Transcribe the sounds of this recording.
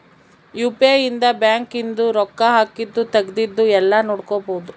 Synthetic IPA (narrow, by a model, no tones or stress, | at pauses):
juːpeind̪ɐbjaːŋkind̪uɾɔkːɐɦaːkid̪ːut̪ɐɡd̪id̪ːuɛlːɐnoːɽkobod̪u